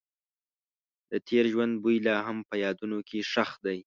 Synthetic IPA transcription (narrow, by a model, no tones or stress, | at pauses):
d̪̥ət̪ʰeɾʒwand̪̚bujlɑɦampəjɑd̪unokʰeʂaxd̪aj